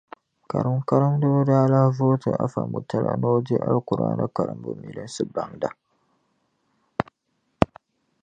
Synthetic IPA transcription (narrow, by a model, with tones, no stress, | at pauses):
ka˨ɾa˦mka˦ɾa˦mdɨ˦bʊ˦daː˦la˦voː˦tɨ˨ʔa˦fa˨mu˨ta˦la̰˨˦no˦di˦ʔa˦lkʊ˨ɾa̰ː˦na̰˦ka˨ɾa̰˨mbʊ̰˨mi˨lɨ˦n˦sɨ˦ba˦ŋda˨